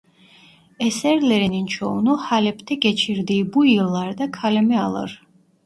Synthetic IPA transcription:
ɛsɛɾlɛɾinint͡ʃʰɔnuhalɛpʰt̪ʰɛɡɛt͡ʃʰiɾd̪ibujilˠːaɾd̪akʰalɛmɛa̰lˠə̰ɾ

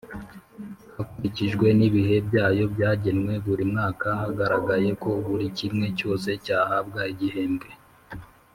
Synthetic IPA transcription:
hakuɾiciʒɡwe̞niβihe̞bɟaːjo̞bjaːɟenwe̞βuɾimŋaːkahaɡaɾaɡaje̞ko̞βuɾicimŋe̞co̞ːse̞caːhabɡaiɟihe̞ːmɡe̞

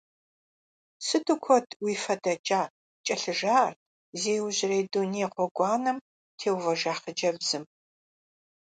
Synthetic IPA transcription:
sɨdɨkʷʰɔdʰʼwiːfɐdɐt͡ʃʼaː | t͡ʃʼɐɬɨʒaːr | zeːwʑɪrejduneːqʷɔɡʷʼɑːnɐm | tʰeːwvɐʒaːχəd͡ʒɐbz̥ɨm

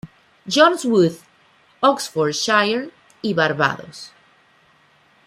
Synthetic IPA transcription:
d͡ʒɔ̃nswuθ | ɔksfɔɾʃajeɾ | iβaɾβa̰ðo̰s

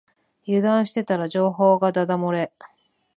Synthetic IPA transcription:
jɯ̟d̪ãɰ̃ɕi̥t̪e̞t̪aɾaʑo̞ːɦo̞ːɡad̪ad̪amoɾe̞

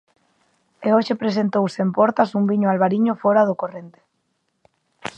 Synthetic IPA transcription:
eoʃepɾes̬ent̪owseempɔɾt̪asumbiɲoalβaɾiɲʊfoɾaðʊkorent̪e̥

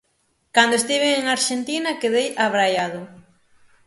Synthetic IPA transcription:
kand̪oest̪iβ̞eeŋaɾʃent̪inakeðejaβɾajaðʊ

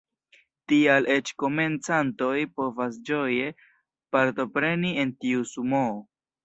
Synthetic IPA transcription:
tiale̞t͡ʃko̞me̞nt͡santo̞jpo̞vas̬d͡ʒo̞je̞ | paɾto̞pɾe̞nie̞ntiusumo

